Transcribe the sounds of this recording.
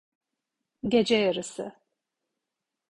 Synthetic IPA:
ɟed͡ʒɛjaɾɯsɯ̰

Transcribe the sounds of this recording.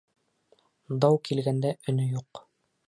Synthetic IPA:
d̪ɑwkilɡænd̪æʔɵ̆nɵjuq

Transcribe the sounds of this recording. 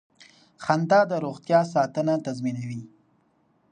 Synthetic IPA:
xand̪ɑd̪əɾoɣt̪jɑsɑt̪ənat̪azminawi

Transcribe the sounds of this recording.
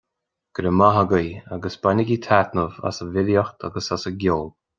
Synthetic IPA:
ɡ̥əɾəmaɦaɡəja̰ɡəsb̥anəɡʲit̪ʰat̪nəva̰səvɪljəxt̪ʰa̰ɡəsasəɡʲolˠ

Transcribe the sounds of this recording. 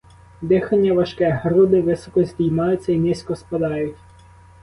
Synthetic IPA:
d̪ɪxɐnʲːɐʋɐʃkɛɦɾud̪ɪʋɪsɔkɔzʲdʲijmɑjʊtt͡sʲːɐinʲisʲkɔspɐd̪ɑjʊtʲ

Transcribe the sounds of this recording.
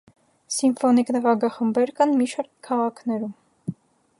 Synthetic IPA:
simfɔniknəʁɑɡɑχəmbɛɾkɑnmiʃɑɾk̪̚kʰɑʁɑkʰn̪ɛɾum

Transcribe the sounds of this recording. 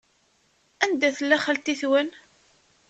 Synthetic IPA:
ænd̪æθəlːæχælt̪iθwən

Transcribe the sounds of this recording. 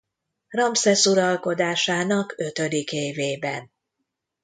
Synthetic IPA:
rɒmsɛsuɾɒlko̞d̪aːʃaːnɒkø̞t̪ø̞d̪ikeːveːbɛn

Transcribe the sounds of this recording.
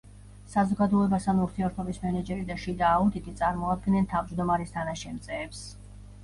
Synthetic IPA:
sazɔɡad̪ɔɛbast̪anuɾt̪ʰiɛɾt̪ʰɔbismɛnɛd͡ʒɛɾid̪aʃid̪aːud̪it̪ʰit̪sʼaɾmɔad̪̚ɡnɛnt̪ʰavd͡ʒd̪ɔmaɾist̪ʰanaʃɛmt̪sʼɛːps

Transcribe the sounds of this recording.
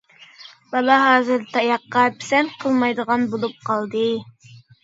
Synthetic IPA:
b̥ɑlˠɑɦɑːzɨɾt̪ʰɑjɑqːɑpʰɪ̥sɛnqʰəlˠmɑjd̪əʁɑnbolˠup̚qʰɑlˠd̪ɨ

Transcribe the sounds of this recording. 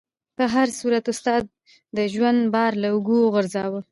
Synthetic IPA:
pəɦaɾsuɾat̪ʊst̪ɑd̪̚ː | əʒwand̪bɑɾlaʊɡuɣʊɾzɑwə

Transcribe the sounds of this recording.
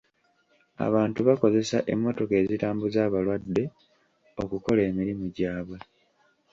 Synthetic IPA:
a̰βaːntuβako̞ze̞saʔe̞̰mːo̞to̞ke̞ːzitaːmbuzaːβalwad̪ːe̞ | o̞kuko̞le̞ːmiɾimuɟaːβwe̞

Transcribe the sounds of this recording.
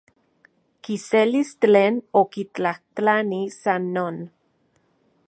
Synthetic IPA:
kiselist͡ɬeːnokit͡ɬaht͡ɬanisanːon

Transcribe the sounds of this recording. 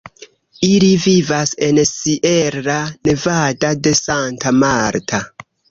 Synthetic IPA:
ilivivase̞nsiʔe̞ɾane̞vadade̞santamaɾtʰa

